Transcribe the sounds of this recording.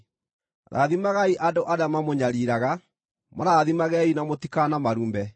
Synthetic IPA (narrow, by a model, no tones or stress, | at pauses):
ɾa̰ðimaɣaiʔadoʔaɾeamamoɲaɾiɾaɣa | ma̰ɾaðimaɣɛinamotikanamaɾuːmbɛ